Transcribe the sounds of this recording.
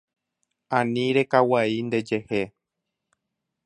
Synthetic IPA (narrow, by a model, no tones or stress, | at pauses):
ãnĩɾekawaind̪e̞d͡ʒe̞he